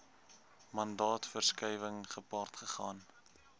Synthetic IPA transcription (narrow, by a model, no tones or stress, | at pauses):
mɐndɑːtfərskɛjvəŋχəpɑːrtχəχɑːn